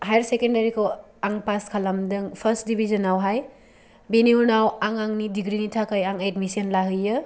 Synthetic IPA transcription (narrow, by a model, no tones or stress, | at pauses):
hajɾsekendaɾikʰow | aŋpaskʰalɐmdɯŋpʰɐɾsdibʱizɐnawɦaj | beniunawaŋaŋnidiɡɾinitʰakajaŋedmisiɐnlaɦɯjɯ